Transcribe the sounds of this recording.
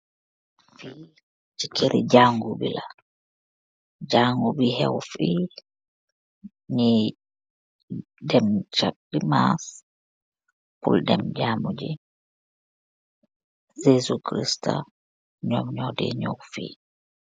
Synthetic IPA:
fi | t͡ʃikʰeɾid͡ʒaŋɡubḭla | d͡ʒaŋɡubihɛwfi | ɲi | dɛmt͡ʃadimas | puldɛmd͡ʒamud͡ʒi | zesukɾista | ɲɔmɲɔdɛ̰ɲowfiː

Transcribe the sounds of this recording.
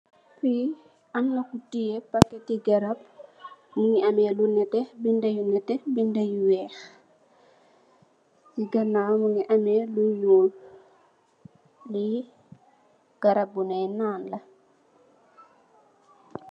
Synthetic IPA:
fi | amlɐkutijɛpakːɛtiɡɐɾab̚muŋiamɛlunɛtɛbindajunɛtɛbindajuwɛːx | siɡɐnamuŋiʔamɛlujɔːl | li | ɡ̥aɾabːunɛjnaːnlɐ

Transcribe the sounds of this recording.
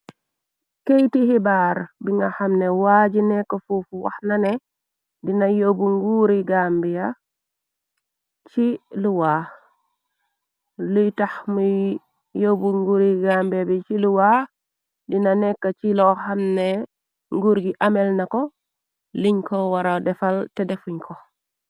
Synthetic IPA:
kejtihibaːɾbiŋɡahamnewaːɟinɛkːofufuwa̰xnanɛ | dinajobuŋɡuɾiɡambija | t͡ʃiluwaː | lujtaxmuj | jobuŋɡuɾiɡaːmbiabit͡ʃiluwa | dinanɛkːat͡ʃilɔhamne | ŋɡuɾɡiʔamɛlnakɔ | liɲkɔwaɾadɛfaltɛdɛfuɲkʰɔ

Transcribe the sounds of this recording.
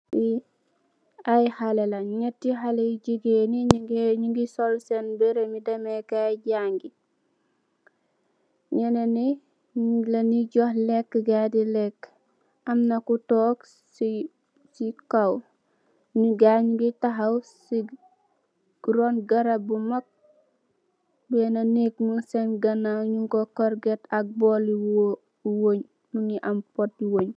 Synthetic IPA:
i | ajhɐlɛlɐɲɛtːiɦalɛjiɟiɡeniɲuŋɡisɔlsɛnbɛɾemidɐmɛkaɟaŋɡi | ɲɛnɐni | lɐniɟɔhlɛkːɡadilɛkː | ɐmnɐkutɔːk | sikaw | ɲuɡaɲɡitɐɦɐwsi | ɡɾonɡɐɾabumɐk̚ | bɛnɐneknunsenɡɐnaɲuŋɡokɔɾɡɛtɐk̚bɔliw | woɲ | nuniʔɐmpɔt̚diwoɲ

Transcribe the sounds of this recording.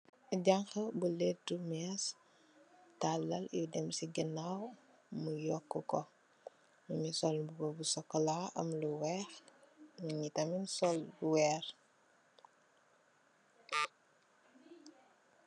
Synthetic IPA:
ɟaŋxəbuledumas | talːɐljidɛmsiɡənaw | mujɔkːəkɔ | muɲisɔlbubɔbusɔkːɔlaːʔɐ̰mluwɛːxmuɲitɐminsɔlːuwɛːɾ

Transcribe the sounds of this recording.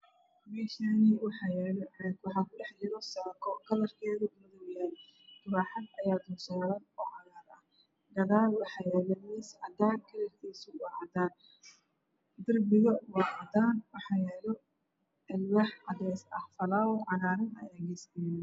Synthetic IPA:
mɛːʃaniwɑħɑːjɛːlɔʕɛkwɑħɑːkʰʊɖɛħlɪɾɔsaːkʰɔkʰɐlɐrkʰɛːɣɐmɐðɔwjaːl | t̪ʰʊβaːħɑd̪ɐjaːd̪ʊːsaːlɐnɔːʕɑðaːɾɐh | ɡɐðaːlwɑħɑːjɛːlɐnɛsʕɑd̪aːnkʰɐlɛrk̪ʰiːsʊwɑʕɑd̪aːn | d̪ɐrbɪɣɐwɑːʕɑd̪aːnwɑħɑːjɛːlɔ | ʕɛlwɑħʕɑd̪ɛsɐhfɐlaːwɔʕɑðaːɾɐnɐ̰ɛɣɛst̪ɛj

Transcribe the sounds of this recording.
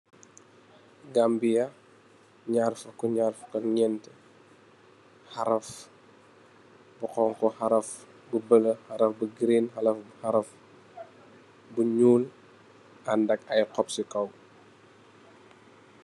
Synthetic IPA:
ɡambijɐ | ɲarfɐkɔɲarfɐ̥kɐɲɛntə | hɐɾɐf | buqɔŋkɔhɐɾɐf | bubələhɐɾɐfbuɡɾinxɐlɐfhɐɾɐf | buɲuːl | ɐndɐkɐjqɔpsikɐw

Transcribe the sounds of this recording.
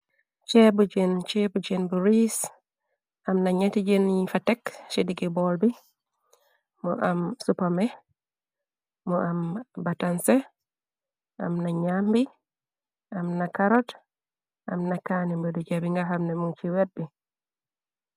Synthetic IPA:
t͡ʃɛbud͡ʒɛnt͡ʃɛbud͡ʒɛnbuɾis | ʔamnaɲatid͡ʒɛnifatɛksidiɡibɔlbi | mɔ̰ʔamsupamɛ | mɔʔambatansɛ | ʔa̰mnaɲambi | ʔamnakaɾɔt | ʔa̰mnakanimbɛdud͡ʒabiŋɡaɦamnɛmuŋt͡ʃiwɛd̚bi

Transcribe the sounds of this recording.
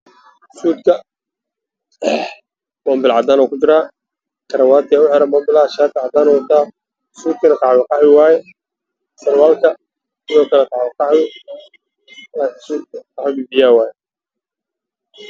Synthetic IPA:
suːd̪kʰɐ | mɔːmbɪlʕɑd̪aːnɔːkʰʊt͡ʃɪɾaː | kʰɐɾɐwaːt̪ʰɪaʊħɛɾɐmɔːmbɪlaʃaːd̪̚kʰʕɑd̪aːnɔwɐt̪ʰaː | suːd̪̚kʰɐnɐt̪ʰɑʕwɪqɑħwɪwaːjɛ | sɐrwaːlkʰɐ | sɪðɔːkʰɐlɛt̪ʰɑʕwɛqɑħɪ | laːkʰɪsuːd̪̚kʰqɑħʊbibɪjaːwaːjɛ

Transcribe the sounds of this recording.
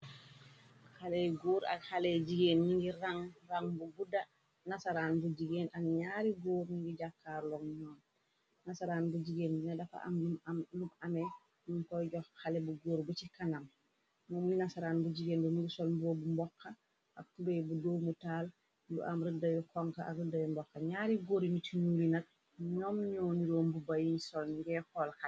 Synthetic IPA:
halɛjɡoːɾa̰khalɛɟiɡeːnniŋɡiɾaŋraŋbubuda | nasaɾaːnbuɟiɡeːnʔaɡɲaːɾiɡoːɾniŋɡiɟakːaːɾlɔŋɲɔːn | nasaɾaːnbud͡ʒiɡeːninadafa̰ʔa̰mulumamɛ | numkɔɟɔxhalɛbuɡoːɾbut͡ʃikanam | mɔmunasaɾaːnbuɟiɡeːnbunuɡusɔlbɔːbumbɔkʰːa | ʔak̚tubejbudoːmutaːl | lṵʔamɾədɐjɔkɔŋkaʔa̰ɡrudɐjɔmbɔkːɐɲaːɾiɡoːɾinitinuɾinɐt̚ | ɲɔmɲɔːniɾoːmbubajinisɔlŋɡɛkɔlxa

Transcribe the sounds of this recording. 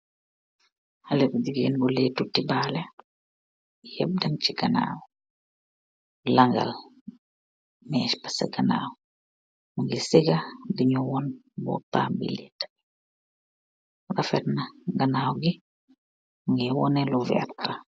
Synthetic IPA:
halɛkudiɡeːnbɔletutibaːlɛ | jɛb̚dɐmt͡ʃiɡana̰ːwɔ | laŋɡa̰l | mɛːʃpasa̰ɡana̰ːw | muŋɡisiɡadiɲuwɔn | bɔ̰ta̰ːmbḭlitḁ | rafɛɾnaɡanaːwɡi | ŋɡiwɔ̰nɛluvɛ̰rtːa

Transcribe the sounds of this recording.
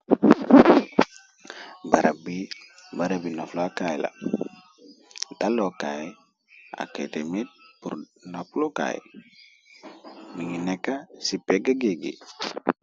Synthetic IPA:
baɾabi | baɾabinaflakajla̰ | dalokaj | a̰ketemit̚puɾ | nafloka̰j | miŋinɛkːasipːeɡaɡeɡḭ

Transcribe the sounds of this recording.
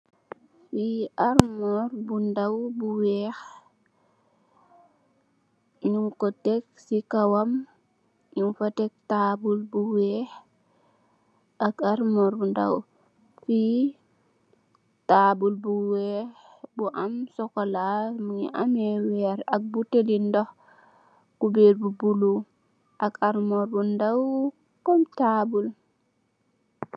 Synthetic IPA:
fiʔaɾmɔɾbundawbuwɛːx | ɲuŋkɔtɛk̚ | sikawam | jimfatɛk̚taːbulbuwɛːh | ʔakaɾmɔɾbunda̰w | fi | tabulbuwɛh | buʔamsɔkolaɾmuŋḭʔamewɛɾak̚butelindɔh | kubeɾbubulu | ʔakaɾmɔɾbundaw | kɔmtabul

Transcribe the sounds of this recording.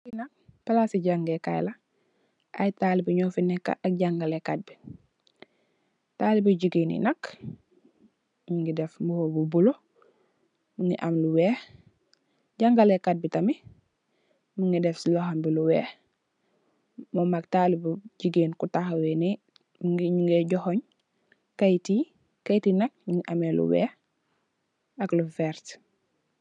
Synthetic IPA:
inak̚palasiɟaŋɡeka̰jla | ʔa̰jtalibiɲoːfinɛkːa̰ʔak̚ɟaŋɡalekat̚bi | taːlibiɟiɡinḭnak | muŋɡidefmbuhobubulo | muŋiʔamluweːh | ɟaŋɡalekad̚bitami | muŋɡidefsilohambiluwɛ̰ːh | momak̚taːlibuɟiɡenkutahweni | muŋɲuŋɡeɟɔhoɲ | kajti | kajitinak̚ɲuŋɡiʔamelṵwɛ̰ːh | aklufɛɾt

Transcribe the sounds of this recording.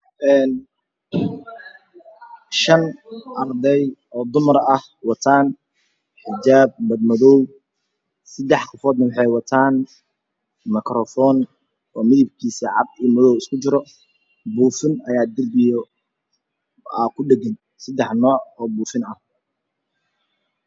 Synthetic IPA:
ʔɛːn | ʃɐnʔɐrd̪ɛjɔːd̪ʊmɐɾɐh | wɑt̪ʰaːn | ħɪd͡ʒaːb̚mɐd̪mɐðɔw | sɐd̪ɛħqɔfɔːd̪nɐwɑħɑjwɑt̪ʰaːn | mɐkrɔfɔːn | ɔːmɪðɪbkʰiːsɐʕɑb̪̚ijmɐðɔwɪskʰʊt͡ʃɪɾɔ | buːfɪnɐjaːd̪ɪrbɪjɔ | aːkʰʊɖɛɡɪn | sɐd̪ɛħnɔːʕɔːbuːfɪnɐh

